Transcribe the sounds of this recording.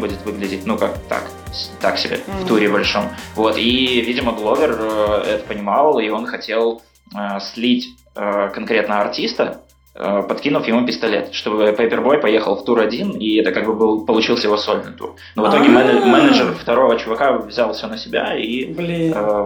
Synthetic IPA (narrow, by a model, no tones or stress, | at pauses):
budʲɪt̪vɨɡlʲɪdʲɪt̚ʲnukak̚t̪a̰k | st̪aksʲɪbʲḛft̪uɾʲɪbɐlʲʂo̞mvo̞t̪ivʲidʲɪməɡlˠo̞vʲɪrəɛt̪ə̥pənʲɪmɑlˠio̞nxɐtʲe̞lˠ | əslʲitʲ | əkɐnkɾʲe̞t̪nəəɐrtʲist̪ə | əpɐt̪kʲinʊfjɪmupʲɪst̪ɐlʲḛt̪ʂt̪o̞bɨpɐjpʲɪrbo̞jpɐje̞xəlˠft̪uɾɐdʲiniɛt̪əkaɡ̚bɨbɨlˠpəlˠʊt͡ɕilˠsəjɪvoso̞lʲnɨjt̪ṵr | novɨt̪o̞ɡʲɪmɛmɛnəʐərft̪ɐɾo̞vət͡ɕʊvɐkavzʲalˠfsʲonəsʲɪbʲa̰i